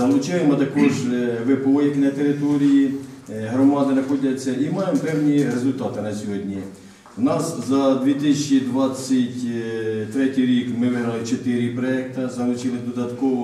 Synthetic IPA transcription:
ɐlˠʊt͡ʃɪjemɔt̪ɐkɔʒʋɪpɔjiknɐt̪eɾɪt̪ɔɾʲijiɦɾɔmɑd̪ɪnɐxɔdʲɐt͡sʲːɐʔimɑjempɛwnʲiɾezʊlʲt̪ɑt̪ɪnɐsʲɔɦɔdʲnʲi | wnɑszɐd̪ʋʲit̪ɪsʲɐt͡ʃid̪ʋɑt͡sʲːɐtʲt̪ɾɛtʲijɾʲikmɪʋɪɦɾɐlˠɪt͡ʃet̪ɪɾʲɪpɾɔɛk̚t̪ɐzɐlˠʊt͡ʃɪlˠɪd̪ɔd̪ɐt̪kɔʋɔ

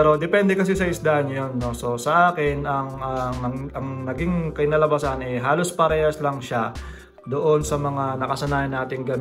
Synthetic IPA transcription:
ɛɾo̞d̪ɛpɛnd̪ɛkɐs̬isɐɪsd̪aːʔɐnːojonːo̞so̞sɐʔaːkɪnɐŋɐɐɐŋnɐɡiŋkɐjnɐlɐbasɐnʔɛjɦaːlo̞spɐɾɛːhɐslɐŋʃa | d̪oʔo̞nsɐmɐŋanɐkɐsɐnaːjɐnːaːt̪ɪŋɡɐm

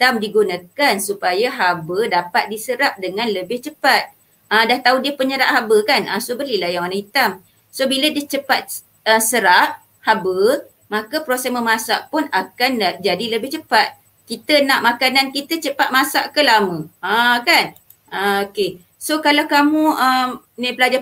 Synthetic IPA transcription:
t̪amdiɡunakansupajaɦabədapat̪̚disəɾap̚dəŋãnləbɪht͡ʃəpat̪̚ | adaht̪audiəhpəɲəɾaʔhabəkanʔasobəlilahjaŋwanãhit̪am | sobiladit͡ʃəpat̪̚ | əsəɾaʔ | habə | makapɾosɛməmasaʔpʊnakanad͡ʒadiləbɪht͡ʃəpat̪̚ | kit̪ənãʔmakanankit̪ət͡ʃəpat̪̚masa̰ʔkəlamə̃akan | aoke | sokalawkamũəm | nĩpəlad͡ʒa

